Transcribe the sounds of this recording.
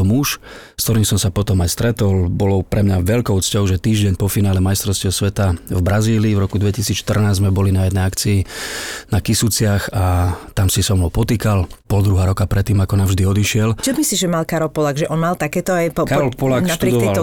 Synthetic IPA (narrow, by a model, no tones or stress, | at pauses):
ɔmuʃskt̪ɔɾiːmsɔmsapɔt̪ɔmajst̪ɾɛt̪ɔlbɔlɔpɾɛmɲaʋɛʎkɔʊt͡scɔʊʒɛt̪iːʒɟɛɲpɔfinaːlɛmajst̪ɾɔsciɔsʋɛt̪avbɾaziːliːvɾɔkud̪ʋɛcisiːt͡sʃt̪ər̩naːzmɛbɔlinajɛd̪nɛjakt͡siinakisut͡sɪaxat̪amsisɔmɦɔpɔt̪iːkalpɔld̪ɾuɦaːɾɔkapɾʔɛt̪ːiːmakɔnavʒd̪iɔd̪iʃɪɛlt͡ʃɔmisiʒɛmalkaɾɔlpɔlaɡʒɛʔɔnmalt̪akɛːt̪ɔajpɔkaɾɔlpɔlak̪at̪ɾueɛd̪kɔt̪ɛal